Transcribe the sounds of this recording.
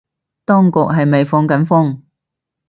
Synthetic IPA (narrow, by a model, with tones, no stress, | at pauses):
t̪ɔː˥ŋkʊ˨k̚ɦɐ˨jme˨jfɔː˧ŋkɐ˨˥nfʊ˥ŋ